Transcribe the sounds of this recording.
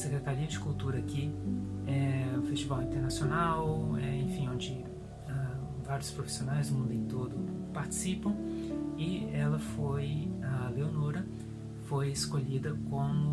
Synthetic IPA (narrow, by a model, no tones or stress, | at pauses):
sekɾet̪aɾiɐd͡ʒɪkuwt̪uɾɐkɪɛʊfest͡ʃivawĩt̪eɾnasjonawɛẽfĩõd͡ʒɪ | a | vaɾjʊspɾofi̥sionajzʊmũnd̪ʊẽt̪od̪ʊpaɾt͡ʃi̥sipɐ̃w̃ɪɛlɐfojaleonoɾɐ | fojeskoʎid̪ɐkõ